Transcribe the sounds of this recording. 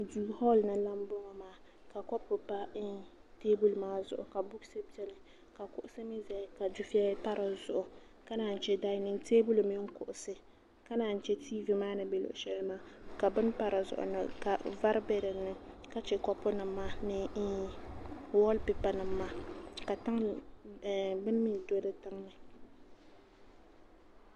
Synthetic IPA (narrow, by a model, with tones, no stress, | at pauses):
duː˨hɔ˦lnɨ˨la˦m˦bʊ˦ŋɔ˦maː˨˦ | ka˨kɔ˦pːʊ˨pa˦ɪ˦nteː˦bu˦lmaː˦zʊ˦ʔʊ˨ka˨bʊ˦ksɨ˦bi˦ɛ˦lɨ˨ | ka˨kʊ˦ʔʊ˦sɨ˦mi˦zɛ˨ka˨d͡ʒu˦fi˦a˦pa˦ɾʔa˨zʊ̰˨ʔʊ˨ka˦naː˨n̩˨t͡ʃɛ˦da˦nɨ˦nteː˦bu˦lmɪ˦ŋ̩˦kʊ˨ʔʊ˨sɨ˦ | ka˦naː˨n̩˨t͡ʃɛ˦tʰiː˦vɨ˨maː˦nɨ˦be˨lʊ̰˨ʔʊ˨ʃɛ˦lmaː˦ka˨bɨ˦n˦pa˦ɾɨ˨zʊ̰˨ʔʊ̰˨nɨ˨ka˨va˦ɾɨ˦bɛ˦ɾɨ˨nɨ˦ | ka˦t͡ʃɛ˨kɔ˦pːʊ˦nɨ˨mː˦aː˦nɨ˨i˦ | wɔ˦lpɪ˨pa˨nɨ˨mː˦a˦ka˨ta˦ŋ˨ | bɨ˦n˦mi˦˨do˦dɨ˦tɨ˦ŋnɨ˦